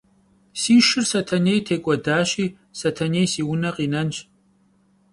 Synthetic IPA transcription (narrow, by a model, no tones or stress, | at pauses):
siːʃɪrsɐtʰɐneːjtʰeːkʷʼɔdaːɕiː | sɐtʰɐneːjsiːwʊnɐqiːnɐnt͡ʃʼ